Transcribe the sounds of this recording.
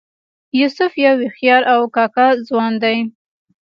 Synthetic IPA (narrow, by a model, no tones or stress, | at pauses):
jʊsʊfjawɪxjɑɾʔawkɑkazwɑnd̪aj